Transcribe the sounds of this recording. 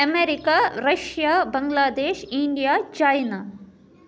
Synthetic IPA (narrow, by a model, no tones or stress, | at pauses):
ɐmeɾikaɾɐʃjaːbɐŋɡlaːd̪eːʃiɳɖijaːt͡ʃajna